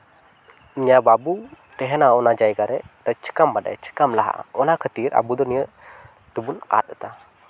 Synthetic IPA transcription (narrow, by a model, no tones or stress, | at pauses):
iɲababut̪ɛɦɛnaɔnad͡ʒajɡaɾɛt̪ət͡ʃə̥kambaɗa̰jt͡ʃə̥kamlaɦa̰ʔa̰ɔnakʰət̪iɾa̰bud̪ɔnijəʔ | t̪ɛbuna̰t̪̚ɗɛt̪a